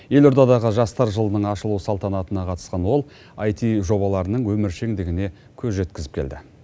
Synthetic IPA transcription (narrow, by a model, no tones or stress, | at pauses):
je̞lo̞ɾd̪ɑd̪ɑʁəʒɑst̪ɑɾʒəlˠənəɴɑʃəlˠusɑlˠt̪ɑnɑt̪ənɑqʰɑt̪ə̥sqɑnwo̞lˠ | ɑjt̪iʒo̞βɑlˠɑɾənəɴwɵmɪɾʃe̞ŋd̪ɪɡʲɪne̞ | kʲʰɵzʒe̞t̪kʲɪzɪ̥pkʰʲe̞̰ld̪ɪ